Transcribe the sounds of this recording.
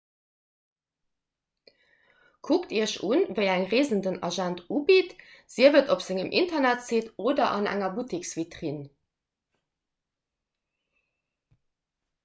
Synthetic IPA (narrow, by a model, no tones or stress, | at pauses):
kʰuktʰiːɐʃunvəɪæŋʁeːzəndənɑʒæntʰuːbitz̥iəvətopz̥ɪŋəmʔḭntɐnætseːtoːdɐʔɑnæ̰ŋɐbutiksvitʁin